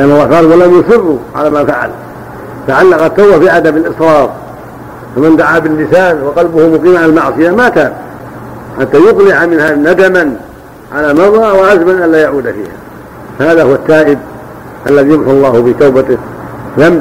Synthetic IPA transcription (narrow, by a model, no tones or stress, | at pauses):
lɪʔanːɑlˤːɑːhqɑːlwalamjʊsˤɨrːʊʕa̰laːmafaʕa̰l | t̪aʕalːɑqat̪ːawbafiʕad̪amalʔɨsˤɾˤɑːf | famand̪aʕaːbɪlːɪsaːnwɑqɑlbʊhʊmʊqiːmʕalalmaʕsˤɨjamat̪aːb̚ | ħat̪ːaːjʊqlɪʕamɪnhanad̪aman | ʕalaːmɑrˤːɑwaʕazmanʔallaːjaʕuːd̪afḭːha̰ | fahaːðahʊwat̪ːaːʔɪb̚ | ʔalːaðiːjamħuɑlˤːɑːhʊbɪt̪awbat̪ɪðam